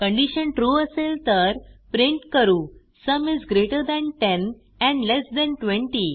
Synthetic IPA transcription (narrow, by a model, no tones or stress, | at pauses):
kə̃ɳɖiɕənʈɾuːəselt̪əɾpɾĩɳʈkəɾuː | səmizɡɾeʈəɾd̪ɛ̃nʈɛ̃n | ɛ̃ɳɖlɛsd̪ɛ̃nʈʋẽɳʈi